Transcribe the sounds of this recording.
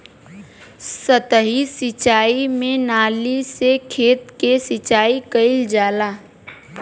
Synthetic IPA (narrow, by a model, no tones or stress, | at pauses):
sət̪əɦisɪt͡ʃaːimẽnaːlisekʰeːt̪kesɪt͡ʃaːikəɪld͡ʒaːlaː